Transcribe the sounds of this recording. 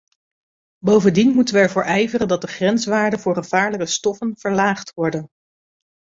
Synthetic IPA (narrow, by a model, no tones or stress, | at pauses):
bowvəndinmutənʋəɛɹvʊːɹʔɛjvərəndɑt̚dəχrɛnsʋaːɹdəvʊːɹχəv̥aːɹləkəstɔfənv̥əɹlaːχtʋɔɹdən